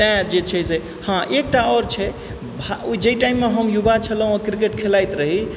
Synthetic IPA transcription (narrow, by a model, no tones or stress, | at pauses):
ɛ̃d͡ʒet͡ʃʰɛse | hãʔek̚ʈaɔɾt͡ʃʰɛ | bʱaoid͡ʒəjʈaimːeɦəmjubat͡ʃʰələɦũokɾik̬eʈkʰelajt̪ɾəɦi